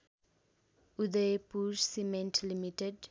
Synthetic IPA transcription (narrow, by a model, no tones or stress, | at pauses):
ud̪epuʃsimɛ̃ntʰlimitɛd